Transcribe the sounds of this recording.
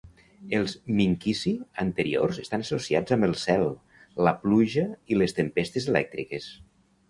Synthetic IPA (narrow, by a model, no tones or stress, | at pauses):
elˠzmiŋkisiənt̪əɾḭo̰ɾrzest̪anəsosiad͡zambəlˠsɛlˠ | ləpluʒəilest̪empest̪ezelɛ̰k̚t̪ɾikes